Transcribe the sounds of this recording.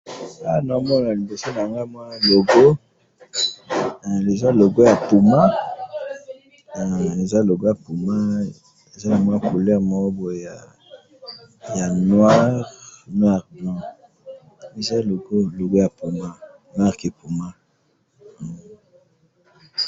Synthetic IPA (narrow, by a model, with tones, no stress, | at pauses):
a˦˨nɔ˨˦mɔ˦˨a˨li˨bo˨so˦na˨ŋɡa˦mwa˦lo˨ɡo˦˨ | le˨za˦lo˨ɡo˦ja˨pu˨ma˦˨ | e˨za˦lo˨ɡo˦ja˨pu˨ma˦ | e˨za˦na˨mwa˦˨ko˨lɛ˦mɔ˦bo˨ja˨ | ja˨nwa˦ʁnwa˦ʁbɔ̃˨ | e˨za˦˨lo˨ɡo˦lo˨ɡo˦ja˨pu˨ma˦ | nwa˦ʁke˨pu˨ma˦˨